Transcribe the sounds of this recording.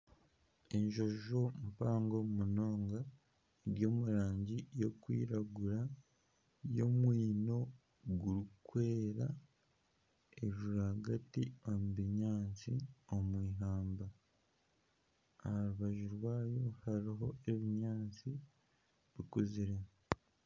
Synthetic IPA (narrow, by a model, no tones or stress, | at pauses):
eɲʒo̞ʒo̞mpaːŋɡo̞muno̞ːŋɡa | eɾɟo̞ːmuɾaːɲɟijo̞kwḭːɾaɡuɾa | jo̞mwiːno̞ | ɡuɾukwe̞ːɾa | eʒuɾahaɡatiomuβiɲaːt͡sio̞mwiːɦaːmba | hɾuβaʒuɾwaːjo̞haɾiɦo̞e̞βiɲaːt͡si | βikuziɾe